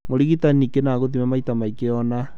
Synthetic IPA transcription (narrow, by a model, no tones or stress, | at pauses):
moɾiɣitanikenaɣoðimɛmaitamaikeɔna